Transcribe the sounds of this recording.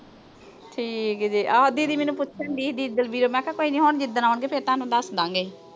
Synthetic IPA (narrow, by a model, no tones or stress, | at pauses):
ʈʰiːkd͡ʒiːʔad̪iːd̪iːmɛ̃ːnũːpʊtːʃʰãnbiːd̪iːɪd̪əlbiːɾoːmɛ̃ːkʰãːkoːiːnĩːɦoːɳd͡ʒɪd̪ənaːʊɳɡeːpʰeɾt̪ãːnũːd̪əsd̪ãːŋɡeː